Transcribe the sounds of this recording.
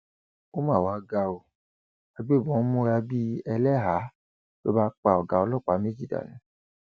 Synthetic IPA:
o˦mãː˦˨wa˨˦ɡa˧o˨ | a˧ɡ͡be˦˨bɔ̃˨˦mɔ̃˦˧a˧bi˦ɛ˧lɛ˦ɦa˨˦ | to˦ba˦k͡pa˨ɔ˨ɡa˨˧ɔ˧lɔ˦˨k͡pa˨˦me˦d͡ʒi˦˨da̰˨nĩ˨˦

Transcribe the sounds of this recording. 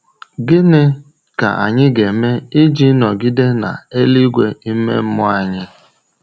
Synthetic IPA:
ɡɪ˦nɪ˦ | ka̰˨a̰˨ɲɪ˦ɡe˨me˦ɪ˦d͡ʒi˦nɔ˨ɡɪ˦de˦na̰˨e˦li˦ɡʷe˦i˦mḛ˦m̩˦mʊ˦a˨ɲɪ˦

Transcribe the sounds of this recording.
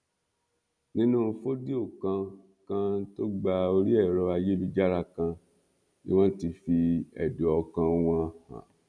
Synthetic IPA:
nĩ˦nũ˦˧˦fo˦di˦o˦˨kã˧ | kã˧to˦ɡ͡ba˧o˧ɾi˦ɛ˦˨ɾɔ˧a˧je˦bi˦˧d͡ʒa˦ɾa˧kã˧ | nḭ˦w̃ɔ̃˦ti˧fi˧ɛ̰˨du˨ɔ˧kã˧˦w̃ɔ̃˧˨hã̰˨

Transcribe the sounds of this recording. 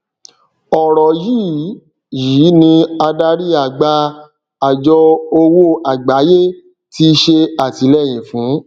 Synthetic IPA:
ɔ˨ɾɔ˨jiː˦˨ | jiː˨˦nĩ˧a˧da˧˦ɾi˦a˦˨ɡ͡ba˧˦ | a˨d͡ʒɔ˧o˧wo˦a˨ɡ͡ba˨˦je˦ | ti˧ʃe˧a˨ti˨˦lɛ˦˨j̃ĩ˨fũ˨˦

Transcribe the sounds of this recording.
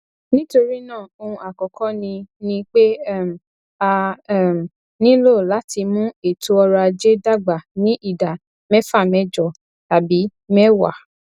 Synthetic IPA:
nĩ˦to˧ɾi˦nãː˦˨o˧ũ˧a˨kɔ˨kɔ̃˨˦nĩ˧nĩ˧k͡pe˦˨m˨ | a˧˦˨ | nĩ˦lo˦˨la˨˦ti˧mũ˦e˨tu˦ɔ˧ɾa˧d͡ʒe˦da˦˨ɡ͡ba˨nĩ˨˦ʔi˦˨da˨ | mɛ̃˦fa˦˨mɛ̃˨˦d͡ʒɔ˨ | ta˨bi˨˦mɛ˦wa̰˨

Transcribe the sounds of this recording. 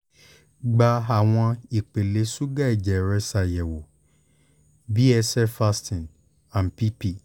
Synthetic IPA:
ɡ͡ba˧a˨w̃ɔ̃˧i˨k͡pe˨le˨˦su˦ɡa˦˨i˨d͡ʒɛ˨ɾɛ˧sa˨jɛ˨wo˨ | bi˦ɛ˧sɛ˦fa˧˦stĩ˨n | ã˨n˨pi˦pi˦

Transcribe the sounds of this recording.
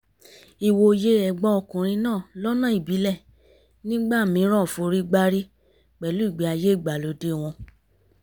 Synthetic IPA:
i˧˨wo˧je˦ɛ˧˨ɡ͡bɔ̃˦ɔ˧kũ˨ɾ̃ĩ˧nãː˦˨lɔ˦nã˦˨i˨bi˨˦lɛ˦˨ | nĩ˦ɡ͡ba˦˨mĩ˨˦ɾ̃ã˦˨fo˧ɾi˦ɡ͡ba˦ɾi˦ | k͡pɛ˨lu˨˦i˦˨ɡ͡bi˨˦a˧je˦i˦˨ɡ͡ba˨lo˨˦de˦w̃ɔ̃˧

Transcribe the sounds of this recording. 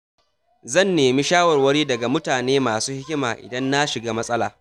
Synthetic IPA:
zɐ˦˨nːeː˨mi˦ʃaː˦wɐ˨rwɐ˦ɽiː˦dɐ˨ɡa˨mʊ˦taː˨neː˦maː˨suː˦hɪ˦kʲɪ˦maː˨ʔɪ̰˨dɐ˦nːa˦ʃɪ˨ɡaː˦mɐ˦sʼɐ˦laː˨

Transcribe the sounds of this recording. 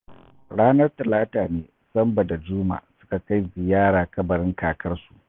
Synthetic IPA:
ɽaː˦nɐ˦rtɐ˨laː˦taː˨neː˦ | sɐ˦mbɐ˨da˨d͡ʒʊː˦ma̰ː˨sʊ̥˦ka˨ka˦jzɪ˨jaː˦ɽaː˨kɐ˦bɐ˨ɽɪ˦ŋkaː˨kʰɐ˦rsu̥˨ʔ

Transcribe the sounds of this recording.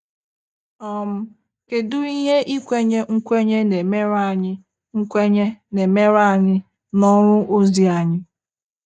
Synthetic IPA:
ɔ˨m̩˦ | ke˨dʊ˦i˦ɦe˦ʔi˦kʷe˦ɲe˦ŋ̩˦kʷe˦ɲe˦ne˨me˦ɾa˨ɲɪ˦ | ŋ̩˦kʷe˦ɲe˦ne˨me˦ɾa˦˨ɲɪ˦ | nɔ˦ɾʊ˦ʔo˦zi˨a˨ɲɪ˦

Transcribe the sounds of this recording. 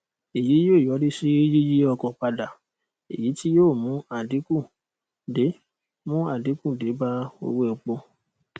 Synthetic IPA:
e˨ji˨˦joː˦˨jɔ˨˦ɾi˦si˦ji˦ji˦ɔ˧kɔ̃˨pa˧da˨ | ḛ˨ji˨˦ti˦joː˦˨mũ˨˦a˦˨di˨˦kũ˦˨ | de˨˦ | mũ˦a˦˨di˨˦kũ˦˨de˨˦ba˦o̰˦˧we˦˨o˧k͡po˧

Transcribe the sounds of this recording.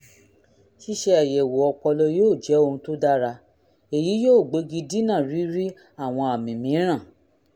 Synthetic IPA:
ʃi˦ʃe˧a˨jɛ˨wo˨ɔ˧k͡pɔ˧lɔ˧joː˦˨d͡ʒɛ˨˦o˧ũ˧to˦da˦ɾa˧ | e˨ji˨˦joː˦˨ɡ͡be˨˦ɡi˧di˦nã˦˨ɾi˨˦ɾi˦ | a˦˨w̃ɔ̃˧a˨mĩ˨mĩ˨˦ɾ̃ã˦˨

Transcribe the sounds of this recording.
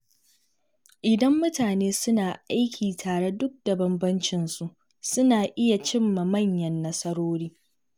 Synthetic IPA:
ʔɪ˨dɐ˦mːʊ˦taː˨neː˦sʊ˦naː˨ʔa˦jkʲʰiː˨tʰaː˨ɽe˦dʊ˦k̚d̥ɐ˨bɐ˦mbɐ˦nt͡ʃɪ˨nsu˨ʔ | sʊ˦naː˨ʔɪ˦ja˨t͡ʃɪ˦mːa˨mɐ˦˨ɲjɐ˨nːɐ˦sɐ˦ɽoː˦ɽiː˦

